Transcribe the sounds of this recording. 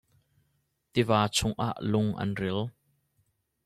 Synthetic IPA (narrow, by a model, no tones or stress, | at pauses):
t̪ivaːt͡sʰʊŋʔa̰ːʔlʊŋʔɐ̰nril